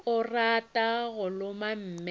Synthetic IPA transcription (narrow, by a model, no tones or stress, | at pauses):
ʊratʼaɣʊlʊmam̩ːm